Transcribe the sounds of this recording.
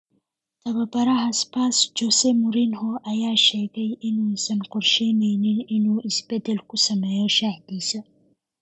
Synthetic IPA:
t̪ʰɐβɐbɐɾɐɦɐspasd͡ʒɔsɛmʊɾinhɔʔɐjaːʃɛːɣɛjʔɪnuːsɐnqʊrʃɛjnɛjnɪnɪnuːʔɪsbɛd̪ɛlkʰʊsɐmɛːjɔʃaːħd̪iːsɐ

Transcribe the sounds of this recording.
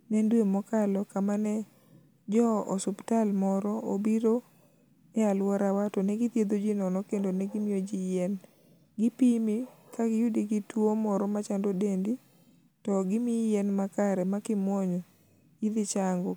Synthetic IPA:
nɛndwemɔkalɔkamanɛ | d͡ʒɔɔ̰sʊptalmɔɾɔobiɾo | ɛalwɔɾawatɔnɛɡɪt̪jed̪od͡ʒinɔnɔkendonɛɡɪmɪjod͡ʒijɛn | ɡɪpimikaɡɪjudiɡɪtwomɔɾɔmat͡ʃandodendi | tɔɡɪmijɛnmakaɾɛmakɪmwɔɲɔ | id̪ɪt͡ʃaŋɡɔ

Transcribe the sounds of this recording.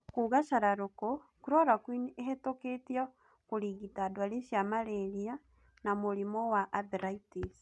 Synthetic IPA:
kuɣaʃaɾaɾoko | kuɾɔɾakwineɦetoketiɔ | koɾiɣitadwaɾeʃjamaɾɛɾia | namoɾimɔwaʔːðiɾaitis

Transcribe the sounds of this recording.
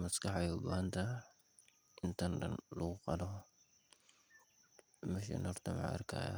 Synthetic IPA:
mɐskɑħɛjʊbaːɦɐnt̪ʰɐ | ʔɪnt̪ʰɐndɐ̰nlɐɣʊqɑlɔ | mɛʃ̬ɛ̰nɔrt̪ʰɐmɑ̰ʔɐ̰rkʰa̰ːjɐ̰

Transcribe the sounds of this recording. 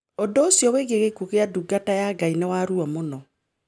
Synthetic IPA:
ɔndɔosjɔweɣeɣekuɣeaduɡatajaɡainewaɾuɔmonɔ

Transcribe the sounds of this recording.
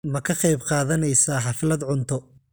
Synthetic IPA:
mɐkʰɐqɑjbqɑːðɐnɛjsaːħɑfɪlɐd̪ʕʊnt̪ʰɔ

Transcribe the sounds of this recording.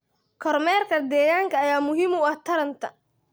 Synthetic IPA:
kʰɔrmɛːrkʰɐd̪ɛːjaːŋkʰɐːjaːmʊɦɪmʊɐht̪ʰɐɾɐnt̪ʰɐ

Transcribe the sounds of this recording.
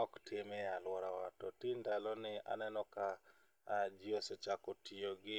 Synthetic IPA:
ɔktemɛalwɔɾawatɔtindalɔnɪa̰nɛnɔka | d͡ʒɪoset͡ʃakɔtioɡɪ

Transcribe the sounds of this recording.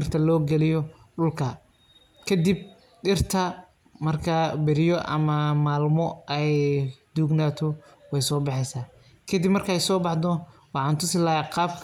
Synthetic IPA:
rt̪ʰɐlɔːɡɛlɪjɔ | ɗʊlkʰɐ | kʰɐd̪ib̚ | ɗɪrt̪ʰɐ | mɐrkʰɐbɛɾɪjɔʔɐ̰mɐmaːlmɔɛjd̪̥uːɡnaːt̪ʰɔ | wɛjsɔːbɑħɛsaː | kʰɐd̪ibmɐrkʰɐɛjsɔːbɑħd̪ɔ | wɑħɑːnt̪ʰʊsɪlaːjaqɑːb̚kʰ

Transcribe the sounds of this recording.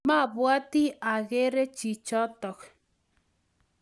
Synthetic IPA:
maβwat̪iaɣeɾet͡ʃit͡ʃot̪ok

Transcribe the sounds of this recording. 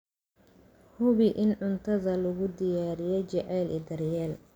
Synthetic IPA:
hʊβɪʔɪnʕʊnt̪ʰɐðɐlʊɣʊd̪ɪjaːɾɪjɛt͡ʃɐʕɛːlɛ̰d̪ɐrjɛːl

